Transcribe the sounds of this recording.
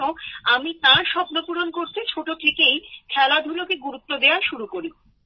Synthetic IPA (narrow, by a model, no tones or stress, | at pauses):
oamit̪ãɾʃɔpnopuɾonkoɾt͡ɕʰet͡ɕʰoʈoʈʰikejkʰɛlad̪ʱulokeɡuɾut̪ːod̪ewaʃuɾukoɾi